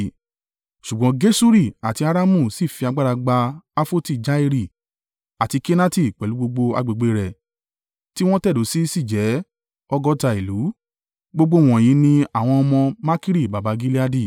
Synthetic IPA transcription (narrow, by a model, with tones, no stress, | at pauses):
ʃu˨ɡ͡bɔ̃˨˦ɡe˦su˦ɾi˦˨a˨ti˧a˧ɾa˦mũ˦˨si˦˨fi˧a˧ɡ͡ba˦ɾa˧ɡ͡ba˧a˦fo˦ti˦˨d͡ʒa˦i˧ɾi˦˨ | a˨ti˧ke˦na˦ti˦˨k͡pɛ˨lu˨˦ɡ͡bo˧ɡ͡bo˧a̰˧ɡ͡be˨ɡ͡be˨˧ɾɛ˨ | ti˦w̃ɔ̃˦tɛ˦˨do˨˦si˦si˦˨d͡ʒɛ˨˦ | ɔ˦ɡɔ˦ta˧i˨lu˨˦ | ɡ͡bo˧ɡ͡bo˧˦˨w̃ɔ̃˨j̃ĩ˨˦nĩ˧a˨w̃ɔ̃˧ɔ˧mɔ̃˧ma˦ki˦ɾi˦˨ba˨ba˨˧˦ɡi˦li˦a˧di˦˨